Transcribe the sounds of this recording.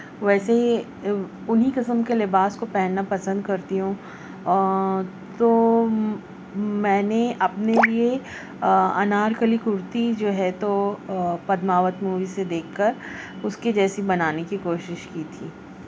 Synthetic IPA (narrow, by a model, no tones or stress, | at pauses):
ʋɛːsei | ʊnɦikɪsəmkelɪbaːskopɛɦnːapɐsə̃nd̪̚kɐɾt̪iɦũː | t̪oː | mɛ̃ːneʔɐpnelie | ɐ̰naːɾkəlikʊɾt̪id͡ʒoːɦɛt̪o | pɐd̪maːʋət̪muːʋised̪eːkʰːɐɾ | ʊsked͡ʒɛːsibɐnaːnekikoːʃɪʃkiːt̪ʰiː